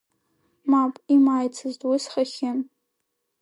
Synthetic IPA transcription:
mapʼimaːjt͡sʰɨztʼwʊsχaχʲɪn

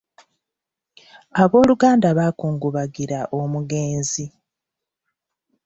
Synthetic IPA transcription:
aβo̞ːluɡaːndaβaːkuːŋɡuβaɡiɾaʔo̞muɡe̞ːnzi

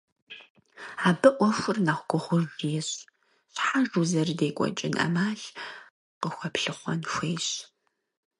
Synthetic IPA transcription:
aːbɨʔʷɔxʷʊrnaːχʷɡʷʊʁʷʊʒjɛɕ | ɕħaʒuzɐrdeːkʷʼɔ̰t͡ʃʼɪnʔɐ̰maːɬ | qəxʷɐpɬɨχʷɔnxʷeːjɕ

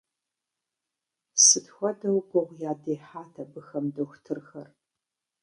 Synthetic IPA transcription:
sɨtxʷɔdɐwɡʷɔʁʷjaːdeːħaːtʰɐbɨxɐmdoxʷtʰɨrxɐr

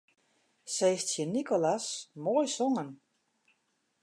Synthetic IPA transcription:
sejstsjənikolasmojsɔŋən

